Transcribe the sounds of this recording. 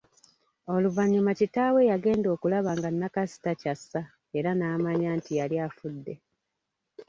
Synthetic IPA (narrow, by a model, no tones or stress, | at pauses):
o̞luvaɲːumacitaːwe̞jaɡe̞ːndo̞ːkulaβaːŋɡanːakasi̥tacasːa | e̞ɾanaːmaɲaːntijaljaːfudːe̞